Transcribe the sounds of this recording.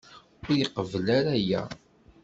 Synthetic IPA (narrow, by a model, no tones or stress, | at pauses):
ʊɾjiqəvəlaɾæjæ̰